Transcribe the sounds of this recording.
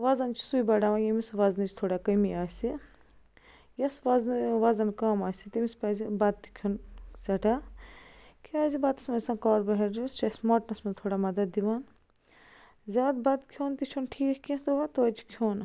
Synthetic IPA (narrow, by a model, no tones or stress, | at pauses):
ʋɐzɐnt͡ʃʰi̥sujbɐɖaːʋãjɐmisʋɐznɨt͡ʃʰt̪ʰoːɽaːkɐmiaːsi | jɐsʋɐznɨʋɐzɐnkaːmaːsit̪imispɐːzibɐd̪̚t̪i̥kʰunsɐʈaː | kʰiaːzibɐt̪ɐsmɐsãːnkaːɾbɐɦeɾd͡ʒist͡ʃɐsmoːʈnɐsmɐt̪ʰoːɽaːmɐd̪ɐd̪ːiʋaːn | zʲaːd̪bɐd̪kʰjoːnt̪it͡ʃʰunʈʰiːkʰkʰĩnt̪uʋat̪oɐt͡ʃʰi̥kʰjoːn